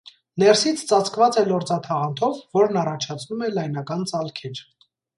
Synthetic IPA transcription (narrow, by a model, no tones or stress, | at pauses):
nɛɾsit͡sʰt͡sɑt͡sʰkvɑt͡sɛlɔɾt͡sɑt̪ʰɑʁɑnt̪ʰɔvːɔɾnɑrɑt͡ʃʰɑt͡sʰnumɛlɑjn̪ɑkɑnt͡sɑlkʰɛɾ